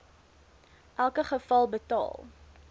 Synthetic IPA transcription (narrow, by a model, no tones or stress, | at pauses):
ʔælˠkəχəfɐlˠbətɑ̰ːlˠ